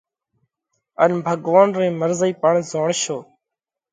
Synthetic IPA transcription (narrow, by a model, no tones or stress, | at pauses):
ənbʱəɡʋaːnɾĩːməɾziːpəɳzoːɳʃoː